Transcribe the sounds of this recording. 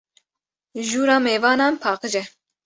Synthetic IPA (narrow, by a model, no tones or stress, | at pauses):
ʒuːɾɑːmeːvɑːnɑːnpʰɑːqɨd͡ʒɛ